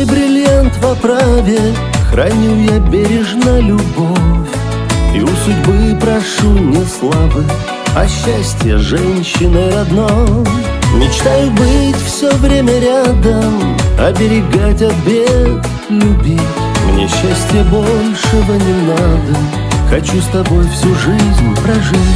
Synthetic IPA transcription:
bɾʲɪlʲjant̪vɐpɾavʲɪ | xrɐnʲujabʲeɾʲɪʐnəlʲʊbofʲ | iʊsʊdʲbɨpɾɐʂumnʲeslˠabɨ | ɐ̰ɕːasʲtʲjə̰ʐɛnʲɕːɪnəɪɾɐd̪no | mʲɪt͡ɕt̪ajʊbɨtʲfsʲovɾʲemʲəɾʲad̪əmɐbʲɪɾʲɪɡatʲɐt̪̚bʲe | lʲʊbʲitʲmnʲeɕːæsʲtʲɪjəbo̞lʲʂɨvənʲɪnad̪ə | xɐt͡ɕust̪ɐbo̞jfsʲuʐɨzʲnʲpɾɐʐɨ

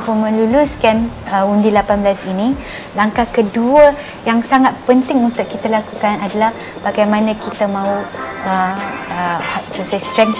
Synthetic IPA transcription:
pumə̃lulʊskanəundilapanblasini | laŋkahkəduə | jaŋsaŋat̪̚pənt̪ɪŋunt̪ʊʔkːit̪alakukanadalah | b̥aɡajmãnãkit̪amãuəəhaʔit̪usajst̪ɾɛŋ

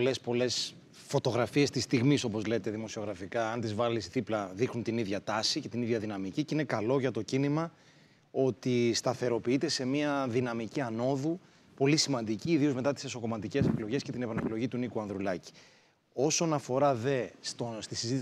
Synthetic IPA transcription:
lespo̞le̞s | fo̞t̪o̞ɣɾɐfie̞st̪ist̪iɣmiso̞po̞zle̞t̪eðimo̞sio̞ɣɾɐfikɐɐnt̪izvɐlisθiplɐðixnunt̪iniðʝɐt̪ɐsice̞t̪iniðʝɐðinɐmiciceine̞kɐlo̞ʝɐt̪o̞cinimɐ | o̞t̪ist̪ɐθe̞ɾo̞piit̪e̞se̞miɐðinɐmiciɐno̞ðu | po̞lisimɐnd̪iciːðiome̞t̪ɐt̪i̥seso̞ko̞mɐt̪ice̞se̞klo̞ʝe̞sce̞t̪inepɐne̞klo̞ʝit̪unikuɐnðɾulɐci̥ | o̞so̞nɐfo̞ɾɐðe̞st̪ost̪isizit̪i

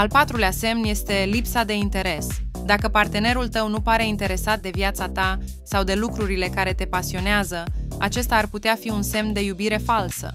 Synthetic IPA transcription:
alpat̪ɾulease̞mnje̞st̪e̞lipsad̪e̞int̪e̞ɾe̞sd̪akəpart̪e̞ne̞ɾult̪əwnupaɾe̞int̪e̞ɾe̞sat̪̚d̪e̞vjat̪sat̪a | sawd̪e̞lukɾuɾile̞kaɾe̞t̪e̞pasio̞neazəa̰t͡ʃe̞st̪aːrput̪eafiunse̞mnd̪e̞jubiɾe̞falsə̰

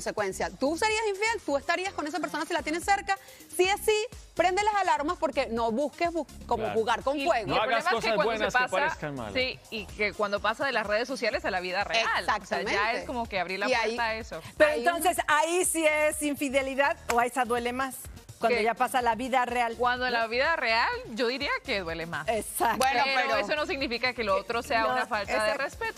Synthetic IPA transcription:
nsekwensjat̪use̞ɾiasiɱfje̞lt̪uest̪aɾiasko̞ne̞s̬ap̬eɾso̞nasilat̪jenesːe̞ɾka | siasipɾe̞nd̪elasalaɾmaspo̞ɾke̞no̞βuskezβukomoxuɣaɾkoŋfweɣoilɾolemaeokewaw̪d̪nooasaaekama̰siikekwand̪opasaðe̞lasreðesːo̞sjale̞salaβiðareealsakotseameaeseko̞mo̞ke̞aβɾiɾlaweɾt̪aesopeɾoent̪o̞nsesaisiesiɱfiðe̞liðaðoaisaðwe̞le̞maskwanoʝapasalaβiðarealkwand̪oenlaβiðare̞alɟ͡ʝo̞ðiɾiakeðwe̞lema̰sesabweoeoesonosiɣnifikakeloot̪ɾose̞aunafaltaðerespet̪o

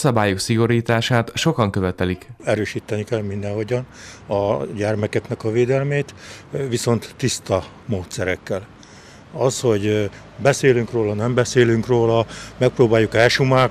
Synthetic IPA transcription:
sɒbaːjuksiɡo̞ɾiːt̪aːʃaːt̪ʃo̞kɒŋkøvɛt̪ɛlikɛɾøːʃiːt̪ːɛnikɛlmind̪ɛ̃ho̞ɟɒnɒɟɛrmɛkɛknɛkɒveːd̪ɛlmeːt̪ʋiso̞nt̪ːist̪ɒ | moːt̪sɛɾɛkːɛl | ɒsho̞ɟ | bɛseːlyŋkroːlɒnɛmbɛseːlyŋkroːlɒmɛk̚proːbaːjːukɛʃumaːk

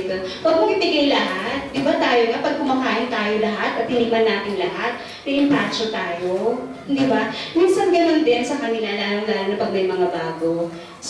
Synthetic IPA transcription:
t̪opɐɡ̚mɐkɪpɪɡajlɐɦat̪̚d̪ɪbat̪aːjoŋapɐɡ̚kʊmɐkaːʔɪnt̪aːjo̞lɐɦat̪ɐt̪̚hɪnimɐnːaːt̪ɪŋlɐɦat̪̚ | p̪ɛʔɪmpaːt͡ʃot̪aːjo̞ | d̪ɪbaminsɐnɡɐno̞nd̪ɛnsɐkɐnɪlalaːnoŋnannɐpɐɡ̚mɐjmɐŋabaːɡo̞ | s

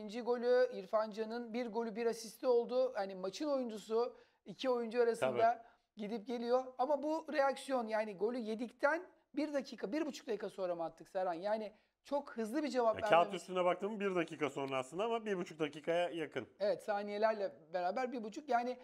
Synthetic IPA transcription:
ind͡ʒiɡo̞lʲyiɾfand͡ʒanɯnbiɾɡo̞lʲybiɾasist̪ʲio̞lˠd̪uanimaʃino̞jund͡ʒusu | icʰio̞jund͡ʒuaɾasɯnd̪a | ɟid̪ip̚ɟe̞lʲijo̞amabuɾe̞jaksjo̞njaːniɡo̞lʲyje̞d̪ict̪ʰæn | biɾd̪acʰiːkʰabiɾbut͡ʃʰu̥kd̪akʰaso̞ɾamat̪ʰːɯksaɾanjaːnɪ | t͡ʃʰo̞khɯzlˠɯbid͡ʒe̞vapa̰balyst̪ynɛbak̚t̪ʰɯːmmbiɾd̪acʰiːkʰaso̞nlˠaslɯnd̪aamabiɾbut͡ʃʰuk̚d̪aciːkʰajajakʰɯne̞vɛt̪saːnije̞lʲæɾlʲɛbe̞ɾaːbæɾbiɾbut͡ʃʰukjaːnɪ

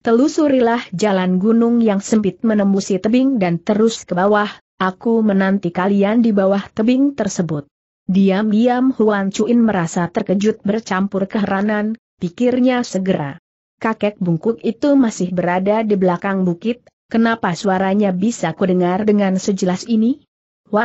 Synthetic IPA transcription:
t̪əlusuɾilahd͡ʒalanɡunʊŋjaŋsəmpɪt̪̚mənəmbusit̪əbɪŋdant̪əɾʊskəbawah | ʔakumənant̪ikaliandibawaht̪əbɪŋt̪ərsəbʊt̪̚ | diamdiamhuant͡ʃuʔɪnməɾasat̪ərkəd͡ʒʊt̪̚bərt͡ʃampʊrkəɦəɾanan | pikɪrɲasəɡəɾa̰ | kakɛk̚buŋkʊk̚it̪umasɪhbəɾadadibəlakaŋbukɪt̪̚ | kənapasuaɾaɲabisakudəŋardəŋansəd͡ʒəlasini | wa

